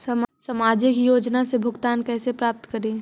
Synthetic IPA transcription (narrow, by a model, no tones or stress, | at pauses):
ɐmsɐmaːd͡ʒɪkjoːd͡ʒnasebʱʊɡt̪aːnkɛːsepɾaːp̚t̪kɐɾẽ